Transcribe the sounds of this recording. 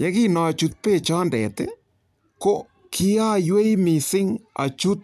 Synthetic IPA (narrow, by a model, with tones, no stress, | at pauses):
jɛ˦ki˦nɔ˨a˨t͡ʃu˧t̪̚pe˦˨t͡ʃɔ˦ndɛ̰˨t̪ḛ | ko˦ | kʰi˦a˦jwe˦imi˨sɪ˦ŋa̰˨t͡ʃu˦t̪̚